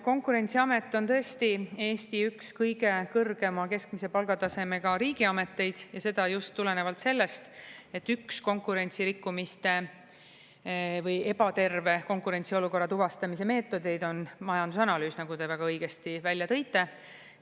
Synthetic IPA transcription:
ko̞ŋkuɾe̞nʲt̪siɑme̞t̪ːˑo̞nt̪ɤ̞est̪ie̞ːst̪iykskɤjɡe̞kɤrɡ̥e̞mɑke̞skmise̞pɑlɡ̥ɑt̪ɑse̞me̞ɡɑɾiːɡ̥iɑme̞t̪ːe̞jd̪̥jɑse̞d̪̥ɑjust̪ːule̞ne̞vɑlt̪se̞lːe̞st̪e̞t̪ːyksko̞ŋkˑuɾe̞nʲt̪siɾikːumist̪e̞ | vɤje̞b̥ɑt̪e̞rve̞ko̞ŋkuɾe̞nt̪sio̞luko̞rːɑt̪uvɑst̪ɑmis̬e̞me̞ːt̪ːˑo̞d̪e̞jd̪o̞nmɑjɑnd̪̥usɑnɑlyːsnɑɡ̥ut̪e̞væɡ̥ɑɤjɡ̥e̞st̪ivælʲjɑt̪ɤ̞jt̪ːˑe̞

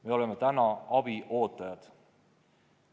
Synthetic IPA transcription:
meo̞le̞mːet̪ænɑɑbiʔo̞ːt̪ːˑɑjɑd̪̥

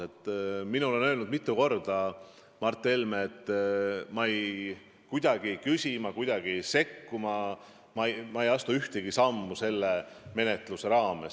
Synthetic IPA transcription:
e̞t̪ˑːminole̞nø̞ːlnud̪mit̪ːˑuko̞rd̪̥ɑ | mɑrt̪ːˑelmeːt̪ːˑmɑej | kujd̪̥ɑɡ̥ikysʲimɑkujd̪̥ɑɡ̥ise̞kːumɑ | mɑjmɑejɑst̪uyht̪eɡ̥isɑmːuse̞lːeme̞net̪ˑluse̞ɾɑːmes

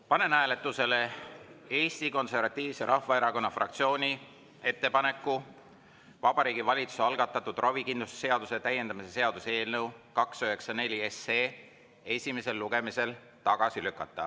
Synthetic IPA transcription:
pɑne̞næːle̞t̪ːˑuse̞le̞ | e̞ːst̪iko̞nse̞rvɑt̪ːˑiːvse̞ɾʔɑhvɑe̞ɾɑko̞nːɑfrɑ̰k̚t̪sio̞ːnʲi | e̞t̪ːe̞pɑne̞kːˑu | vɑb̥ɑɾiːɡivɑlʲit̪su̥seɑlɡ̥ɑt̪ːˑɑt̪ːˑud̪̥rʔovikinlusse̞ɑd̪use̞t̪æje̞nd̪̥ɑmise̞seɑd̪use̞ːlnɤwkɑksøɦe̞ksɑne̞lʲie̞seː | e̞sʲime̞se̞lːuɡe̞mise̞l | t̪ɑɡ̥ɑsilykːˑɑt̪ˑːɑ̰

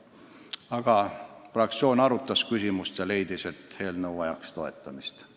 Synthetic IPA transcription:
ɑɡ̥ɑ | frɑk̚t̪sio̞ːnɑɾut̪ːˑɑskysʲimust̪jɑle̞jd̪ise̞t̪ːhe̞ːlnɤwɑjɑkst̪o̞e̞̰t̪ːˑɑmist̪

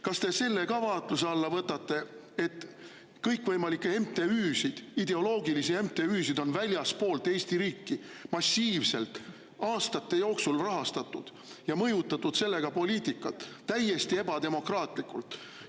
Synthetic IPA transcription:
kɑst̪e̞se̞lːe̞ɡɑvɑːt̪luseɑlːɑvɤt̪ːˑɑt̪ːe̞ | et̪ːˑ | kɤjkˑvɤjmɑlikːeemt̪e̞yːsid̪̥id̪̥e̞o̞lo̞ːɡilisie̞mt̪e̞yːs̬id̪̥o̞nvælʲjɑspo̞ːlt̪ːˑe̞ːst̪iɾiːkːimɑsʲːiːvse̞lt̪ | ɑːst̪ɑt̪ːe̞joːksulrɑɦɑst̪ɑt̪ːˑud̪̥ | jɑmɤjut̪ːˑɑt̪ːud̪̥se̞lːe̞ɡ̥ɑpo̞liːt̪ikːˑɑt̪ːæje̞st̪ie̞bɑt̪e̞mo̞krɑːt̪ˑlikːˑult̪

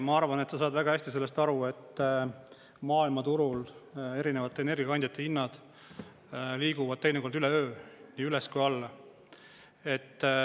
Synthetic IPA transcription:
mɑɑrvɑne̞t̪sɑsɑːd̪væɡ̥ɑhæsʲt̪ise̞lːe̞st̪ɑɾue̞t̪ːˑ | mɑːilmɑt̪uɾule̞ɾinevɑt̪ːˑeeːne̞rɡʲijɑɑnʲd̪ʲjɑt̪ːˑeinːɑd̪̥ | liːɡ̥uvɑd̥̪̚t̪e̞jneko̞rd̪ylɛøːniːyleskujɑlː | e̞t̪ː

